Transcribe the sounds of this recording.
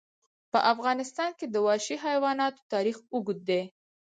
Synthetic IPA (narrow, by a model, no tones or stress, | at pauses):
pəʔafɣɑnɪst̪ɑnked̪əwɑʃiɦajwɑnɑt̪o̥t̪ɑɾixuɡut̪̚d̪e